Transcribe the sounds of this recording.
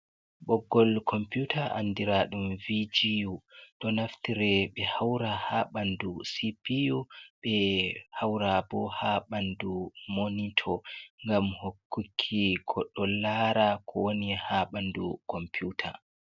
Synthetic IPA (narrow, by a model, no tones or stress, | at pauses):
ɓɔɡːɔlkʰɔmpjutʰaʔa̰nːdiɾaɗumvid͡ʒijuɗɔnaftiɾɛɓɛhawɾahaɓandusipijuɓɛhawɾabɔhaɓandumonitʰɔŋɡamhokʰːukʰːikʰɔɗːɔlːaɾakʰɔwonihaɓandukʰɔmpjutʰa̰